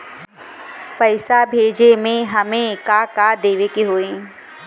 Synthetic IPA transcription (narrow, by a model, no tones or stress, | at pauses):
pəɪsabʱeːd͡ʒemẽɦɐmẽkaːkaːd̪eːʋekiɦoːẽː